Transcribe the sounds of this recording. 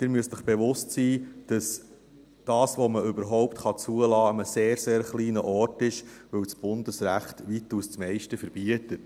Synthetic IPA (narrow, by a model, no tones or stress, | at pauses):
d̥ɪɾmyəsɪχb̥eʋʊstsiːd̥ɑs | d̥ɑːsʋoməʏbəɾɦɔʊptχɑt͡suəlɑːəməseːɾseːɾχliːnəʔɔɾtɪʃʋɵwt͡sb̥ʊndəsɾæχtʋituːst͡smɛɪʃtəfəɾb̥iətət